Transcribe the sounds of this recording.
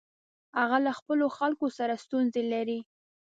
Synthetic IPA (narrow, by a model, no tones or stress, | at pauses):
haɣalaxpəloxalkosaɾast̪unzelaɾi